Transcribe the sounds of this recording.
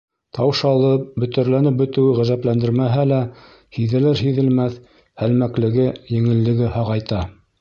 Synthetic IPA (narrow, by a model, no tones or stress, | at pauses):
t̪ʰɑwʃɑlˠɤp̚bɵ̆t̪æ̆ɾlænɘp̚bɵ̆t̪ɘ̆wɘʁæzæplænd̪ɘɾmæɦælæ | hiðɘ̆lɘɾɦiðɘ̆lmæθ | hælmæklɘ̆ɡɘjɘ̆ŋɘ̆lːɘ̆ɡɘhɑʁɑjt̪ɑ